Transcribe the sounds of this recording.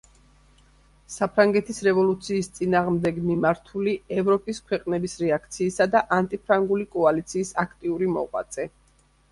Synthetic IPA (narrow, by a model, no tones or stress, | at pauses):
sapʰɾaŋɡɛt̪ʰisɾɛvɔlˠut̪sʰiːst̪sʼinaːʁmd̪ɛɡmimaɾt̪ʰuliɛvɾɔpʼiskʰwɛqʼnɛbisɾɛakʰt̪sʰiːsad̪aʔant̪ʼipʰɾaŋɡulikʼɔalit̪sʰiːsakʰt̪ʼiuɾimɔ̰ʁʼwa̰t̪sʼɛ